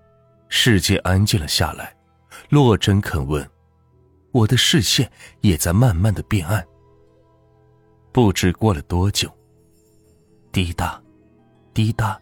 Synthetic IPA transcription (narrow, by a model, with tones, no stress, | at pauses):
ʂɻ̩˥˧t͡ɕjɛ˥˩ʔa˥nt͡ɕi˥˩lə˩ɕja̰˥˩la̰˧˥˦ɪ | lwɔ˥˩ʈ͡ʂə˥nkʰə˨˩nwə̰˥˩n | wɔ˨˩d̪ə˦ʂɻ̩˥˧ɕjɛ˥˩njɛ˨˩t͡sa˥˧ɪma˥˧nma˥˩nd̪ə˩pjɛ˥˧na˥˩n | pu˥˩ʈ͡ʂɻ̩˥kwɔ˥˩lə˩t̪wɔ˥t͡ɕjo˨˩ʊ | t̪i˥t̪a˥˩ | t̪i˥t̪a˥˩